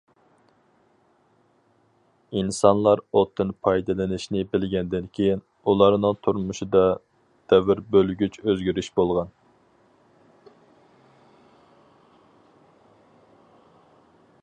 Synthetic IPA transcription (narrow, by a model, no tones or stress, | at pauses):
insɑnlˠɑɾot̪ʰːɨnpʰɑjd̪ɨlˠɪnɪʃnɪbɪlɡʲɛnd̪ɪnkʲʰejɪn | ulˠɑɾnɨŋt̪ʰuɾmuʃid̪ɑ | d̪̥ɛvɪɾbølɡʲyt͡ʃʰøzɡʲyɾyʃbolˠʁɑn